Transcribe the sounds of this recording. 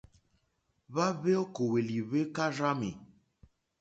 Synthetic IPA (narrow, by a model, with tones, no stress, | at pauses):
βa˦βe˦o˦ko˨we˨li˨βe˦ka˦ɾa˦me˨